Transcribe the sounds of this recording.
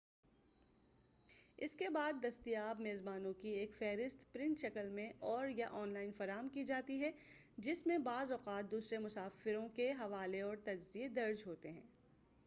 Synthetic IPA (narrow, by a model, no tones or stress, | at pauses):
ɪskebaːd̪ːɐst̪ijaːbmeːzbaːnõkieːkfɛːɦɾɪst̪pɾɪ̃ɳʈʃɐkəlmẽʔɔːɾjaʔɔːnlaːɪnfɐɾaːɦəmkid͡ʒaːt̪iɦɛ | d͡ʒɪsmẽbaːzɔːqaːt̪̚d̪uːsɾemʊsaːfɪɾõkeɦɐʋaːleɔːɾt̪ɐd͡ʒzied̪ɐɾd͡ʒɦoːt̪eɦɛ̰̃ː